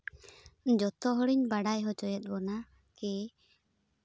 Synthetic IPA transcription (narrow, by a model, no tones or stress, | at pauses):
ɲd͡ʒɔt̪ɔɦɔɽiɲbaɽajɦɔt͡ʃɔjɛt̪̚ˀbɔna | kɛ